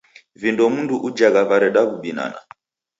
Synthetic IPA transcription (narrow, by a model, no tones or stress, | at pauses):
vindɔmunduʔud͡ʒaɣaβaɾɛɗaβuɓina̰na̰